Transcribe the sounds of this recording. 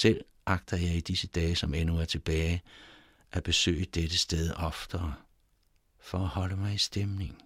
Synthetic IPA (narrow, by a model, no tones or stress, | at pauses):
sel̰ | ʔɑ̈ɡ̥d̥ɐjɑ̈ɪid̥isəd̥ɛːsɒ̽menuæɐt͡sʰe̝b̥ɛːɪ | ʔæb̥e̝sø̰ːɪəd̥ed̥əsd̥eð̞ˠɒ̽fd̥ɐ | fɒ̽æhɒ̽ləmɑ̈ɪisd̥emne̝ŋ